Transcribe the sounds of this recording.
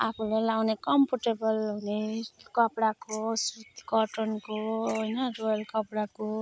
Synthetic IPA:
apʰulelawnekʌmpʰoʈebʌlɦunekʌpɽakosut̪i̥kʌʈɔnkoɦojnʌɾojʌlkʌpɽako

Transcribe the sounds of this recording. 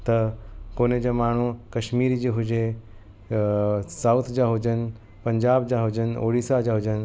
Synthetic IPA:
t̪ɐkoːned͡ʑamaːɳ̤ukɐʃmiːɾid͡ʑeɦʊd͡ʑe | sawt̪ʰd͡ʑaɦud͡ʑən | pɐ̃ɲd͡ʑaːbd͡ʑaːɦʊd͡ʑəno̰ːɽiːsad͡ʑaɦʊd͡ʑən

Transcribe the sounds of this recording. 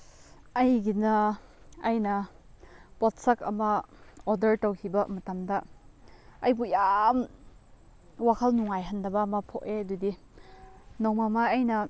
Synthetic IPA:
ɐjɡinɐ | ɐjnɐ | pɔt̚sɐkɐ̰mɐodɐɾtowkʰibɐmɐtamdɐ | ɐjbujam | wakʰɐlnuŋajɦɐnːɐbɐːmɐpʰoʔeɐdudi | nowmamaːjnɐ

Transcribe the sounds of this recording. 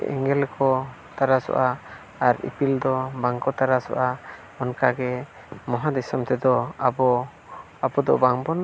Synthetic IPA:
ɛ̰ŋɛlkʰɔ | t̪aɾasɔ̰ʔaː | ɾḭpild̪ɔbaŋkɔt̪aɾasɔ̰ʔa | ɔnkaɡɛ | mɔɦad̪ɛsɔmt̪ɛd̪ɔabɔ | abɔd̪ɔʔbaŋbɔn

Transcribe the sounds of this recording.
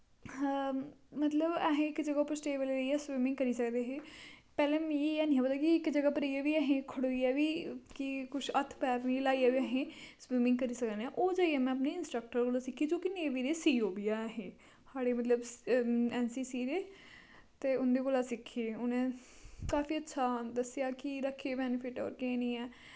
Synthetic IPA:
mət̪ləbəɦẽːɪkd͡ʒəɡaːpəsʈeːʋeleːleiɛːswiːmɪ̃ŋɡ̚kəɾiːsəkd̪eːɦeːpɛːlẽːmeaːnĩːãːpət̪aːkiɪkd͡ʒəɡaːpəɾəiːaːʋiːəɦẽːkʰəɽoːiːɛːʋiːkɪkʊʃʰət̪ʰpɛːɾnilaːiaːʋiəɦẽːswimɪ̃ŋɡkəɾiːsəkd̪nɛːʔoːd͡ʒaːiɛːmɛ̃ːəpneːɪnsʈɾək̚ʈəɾkoːlaːsɪkʰːiːd͡ʒõːkɪneːʋiːɾeːsiːoːbiːaːəɦẽː | saːɽeːmət̪ləb | ɛːnsiːsiːɾeː | t̪eːʊnd̪eːkoːlaːsɪkʰːeːʊnẽː | kaːfiːətːʃʰaːd̪əsːɪjaːkɪɾəkʰːeːbɛːnɪpʰɪʈɔ̰ːɾkẽːnĩːɛː

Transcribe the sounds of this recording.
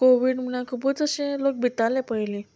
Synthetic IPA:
koʋiːɽm̤əlãkʰupət͡səɕẽlok̚bʱit̪alepəɦjle

